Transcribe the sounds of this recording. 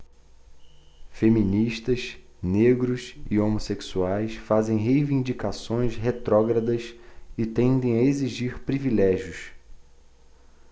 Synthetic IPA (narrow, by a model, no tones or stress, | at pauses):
femĩniʃt̪ɐs | neɡɾʊsiomoseksuajsfazẽj̃ɦejvĩnd͡ʒikasõj̃sɦet̪ɾɔɡɾɐd̪ɐsɪt̪ẽnd̪ẽj̃aeziʒiɾpɾivilɛʒjʊs